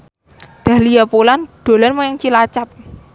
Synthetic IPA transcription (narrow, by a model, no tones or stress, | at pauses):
d̪̥ä̤hlijapolanɖ̪̥o̤lanmojaŋt͡ʃilat͡ʃap̚